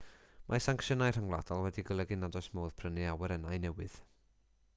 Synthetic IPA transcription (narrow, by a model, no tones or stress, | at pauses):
mʔasaŋkʃənajr̥aŋlˠa̰d̥ɔlˠwɛdiɡəlˠəɡɪnadɔjsmoːðpʰrənɨawɛɾɛnajnɛwɨð̥